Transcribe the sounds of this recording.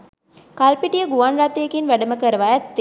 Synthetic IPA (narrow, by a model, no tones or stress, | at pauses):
kalpiʈijəɡuʋanrat̪eːkinʋæɖəməkəɾəʋaæt̪ːe